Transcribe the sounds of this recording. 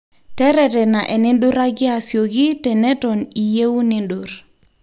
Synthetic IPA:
tɛ˦ɾɛ˨tɛ˨na˨ʔɛ˨nɪ˦ɗʊ˦ɾa˦ɡɪ˦a˨sjo˨ɡi˦tɛ˨nɛ˦tɔ˨ni˨je˦wu˦nɪ˦ndʊ˨ɾ

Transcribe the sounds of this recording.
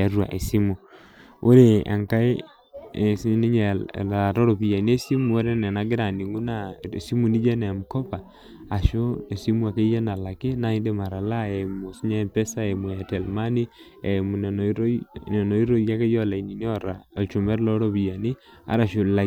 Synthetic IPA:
a˨ɾwa̰˨ʔe˨si˦mu˨ | o˦ɾe˨a̰˨ŋka˦e˦˨ | sne˦ɲe˨a˨ɾo˦ɾo˨pi˨ja˨ni˦e˦si˦mu˨o˦ɾe˦ne˨na˨ɡe˦ɾa˨ni˨ŋɡu˦na˦e˨si˦mu˨ni˦d͡ʒe˦na˨mu˨ko˦paː˨ | ʃo˦e˨si˦mu˦a˨ke˦ja˦na˨la˨ke˦na˦i˦nde˦ma˨ɾa˨la˦e˨mo˨si˦ɲa˦˨pe˦sa˦e˨mo˨a˨te˨lma˦ni˦ | e˨mu˨ne˨n˨˦ɾne˨no˨i˦ɾo˦ja˦ke˦jo˦la˨i˨ni˨ni˦o˦ɾa˨t͡ʃo˨me˦ɾlo˦ɾo˦pi˨ja˨ni˦ | a̰˦ɾa˨ʃo˨la˨

